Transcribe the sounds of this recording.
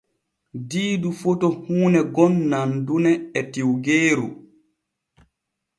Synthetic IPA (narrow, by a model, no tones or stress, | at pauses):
diːdufotɔhuːnɛɡɔnːandunɛɛtiwɡeːɾu